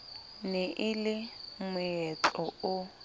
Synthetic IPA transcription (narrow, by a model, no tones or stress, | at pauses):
nɛʔɪlɪmʊjɛt͡ɬɔʊ